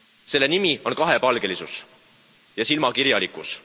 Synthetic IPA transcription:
se̞lːe̞nimio̞nkɑɦe̞pɑlɡ̥e̞lisus | jɑsilmɑkiɾjɑlikˑus

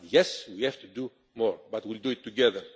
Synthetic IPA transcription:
jɛswihɛvt̪ud̪u | mɔɹbat̪wild̪uit̪ːuɡɛðəɹ

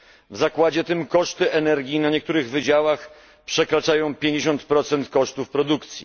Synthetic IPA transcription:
vzakwad͡ʑɛt̪ɘmkɔʂt̪ɘʔɛnɛɾɡʲinaɲɛkt̪uɾɘɣvɘd͡ʑawax | pʂɛkɾat͡ʂajɔ̃w̃pʲjeɲd͡ʑeɕɔnt̪pɾɔt̪sɛnt̪kɔʂt̪ufpɾɔd̪ukt̪sʲji

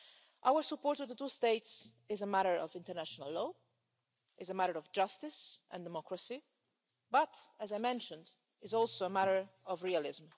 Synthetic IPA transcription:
ʔawəɹsəpɔɹtɨvðətusteɪts | ɪzəmæɾə˞ʔɔ̰vɪ̃ntəɹnæʃənəlˠːɔ | ɪzəmæɾə˞ɔvd͡ʒʌstɪsʔə̰̃ndɛmɔkɹəsi | bʌtəzajmɛ̃nʃə̃nd | ɪzɔlˠsoʊəmæɾə˞ɔvɹialɪzm

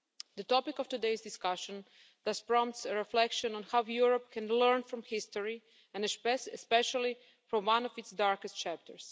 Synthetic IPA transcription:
d̪ətɔpɪkɔftudeɪzdɪskaʃə̃n | d̪aspɹɔ̃mtsəɹɛflɛkʃɔ̃nɔ̃nhawjuɹɔp̚kʰɛ̃nlɜ˞nfɾɔ̃mhɪstɔɹi | ɛ̃nspɛʃalˠi | fɾɔ̃mwãnɔvɪtsdaɹkɛst̚t͡ʃæp̚tʰə̰ɹs

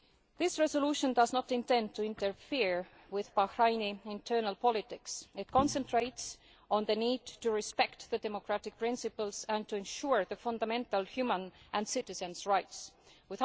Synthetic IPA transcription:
ðɪsɹesoluʃə̃ndʌznət̪ɪ̃nt̪ẽnd̚tʰːuɪ̃nt̪əɹfiɹ | wɪðbɑhɹajniɪ̃nt̪ʰɜ˞nəlpɔlɪt̪ɪksɪt̪̚kʰõnsə̃ntɹ̥ejts | õnðəniːdtuɹispɛkt̪ðədemokɹætɪk̚pɹɪ̃nsɪpəlsæ̃ntuẽnʃuɹðəfãnd̪amẽnt̪əlhjumə̃nʔæ̃nd̥sɪtɪsə̃nsɹajts | wɪð

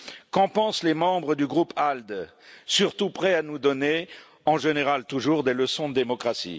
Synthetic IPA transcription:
kɑ̃pɑ̃slemɑ̃bʁəd̪yɡʁupʰald̪ | syʁt̪upχɛanud̪ɔne | ɑ̃ʒeneʁalt̪uʒuʁd̪eləsɔ̃d̪əd̪emɔkχasḭ

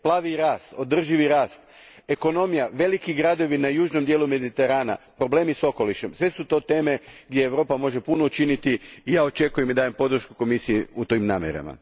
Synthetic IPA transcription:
plˠaːʋiɾaːst̪o̞d̪r̩ʒiʋiɾaːst̪ | e̞ko̞no̞mijaʋe̞likiɡɾad̪o̞ʋinajuːʒno̞md̪jelume̞d̪it̪e̞ɾaːna̰pɾo̞ble̞ːmiso̞ko̞liʃe̞msʋe̞sut̪o̞ːt̪e̞ːme̞ɡd̪je̞ːʋɾo̞ːpamo̞ʒe̞punout͡ʃinit̪iːjaːo̞t͡ʃe̞kujemid̪aːjempo̞d̪ɾ̩ʃkuko̞misijeut̪oimnaːmjḛɾa̰ma̰

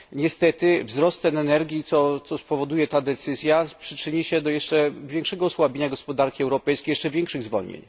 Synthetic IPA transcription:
ɲɛst̪ɛt̪ɘvzɾɔst̪ɛnɛnɛɾɡʲit̪sɔt̪sɔspɔvɔd̪ujɛt̪ad̪ɛt̪sɘzʲjapʂɘt͡ʂɘɲiɕɛd̪ɔjɛʂt͡ʂɛvʲjɛ̃ŋkʂɛɡɔːswabʲeɲaɡɔspɔd̪aɾkʲiɛwɾɔpɛjskʲejɛʂt͡ʂɛvʲjɛŋkʂɘɣzvɔ̰lɲḛɲ

